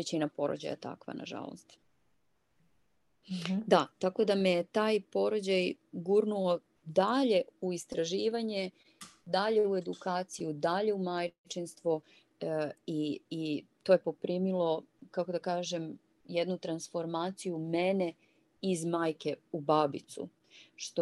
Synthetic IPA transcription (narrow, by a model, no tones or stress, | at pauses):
ʋet͡ɕinapo̞ɾo̰d͡ʑa̰ja̰t̪a̰kʋa̰na̰ʒa̰lo̰st̪ | d̪at̪ako̞d̪amejet̪aːjpo̞ɾod͡ʑajɡuɾnuo | d̪aʎe̞uist̪ɾaʒiːʋaɲe | d̪aʎe̞ue̞d̪ukaːt̪sijud̪aʎe̞umajt͡ʃinst̪ʋu | iː | t̪o̞ːje̞po̞pɾiːmilo̞kako̞d̪akaːʒem | jed̪nut̪ɾansfo̞ɾmaːt̪sijumene̞ | izmaːjke̞ubabit̪sṵ | ʃt̪o